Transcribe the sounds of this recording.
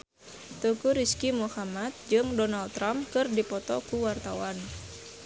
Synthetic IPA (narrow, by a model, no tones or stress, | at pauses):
t̪ukuɾiskimuhamat̪̚d͡ʒɨŋdɔnalt̪ːɾamkɨrdipɔt̪ɔkuwart̪awan